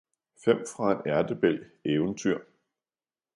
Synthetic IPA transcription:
fem̰fʁɑ̈e̝næɐd̥əb̥el̰eːʊənt͡sʰyɐ̰

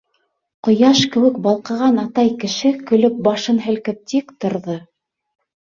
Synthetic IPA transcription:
qŏjɑʃkɘ̆wɘ̆k̚bɑlˠqɤ̆ʁɑnɑt̪ɑjkɘ̆ʃɘkɵ̆lɵp̚bɑʃɤnɦɘ̆lkɘp̚t̪ikt̪ŏɾðɤ

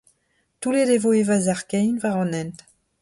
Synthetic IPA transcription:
t̪uledevoevazaʁkɛjnvaʁɑ̃nɛnt̪

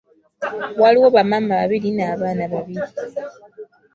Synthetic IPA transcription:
waliwoβamamaβa̰βilinaːβanaβaβili

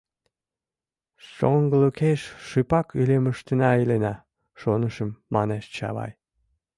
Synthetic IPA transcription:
ʃoŋɡlukʰeʃʃɨpɑkyleməʃt̪enɑilenɑ | ʃonəʃə̆mːɑneʃt͡ɕɑ̰βɑ̰j

